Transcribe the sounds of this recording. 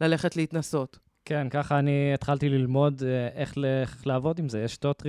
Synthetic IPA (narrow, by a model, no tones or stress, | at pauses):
lale̞χetleit̪naso̞t̪ | kenkaχaːniet̪χaltililmo̞deʔeχleleavo̞dimzejeʃtot̪ʁi